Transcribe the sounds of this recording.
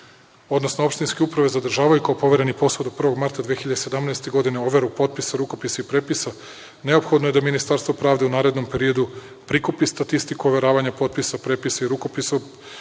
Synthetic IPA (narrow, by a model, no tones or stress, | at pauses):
o̞d̪nosnoo̞pʃt̪inske̞upɾaʋe̞zad̪r̩ʒaːʋajukaopo̞ʋe̞ɾe̞nipo̞sod̪opr̩ʋo̞ɡmaɾt̪ad̪ʋexiʎad̪ese̞d̪amnɛest̪e̞ɡo̞d̪ine̞o̞ʋe̞ɾupo̞t̪̚pisaɾuko̞pisaipɾepisa | ne̞o̞pxo̞d̪noe̞d̪aminist̪aɾst̪vo̞pɾaːʋd̪e̞unaːɾe̞d̪no̞mpe̞ɾio̞d̪u | pɾikupist̪at̪ist̪ikuoʋe̞ɾaːʋaɲapo̞t̪̚pisapɾe̞pisaiɾuko̞piso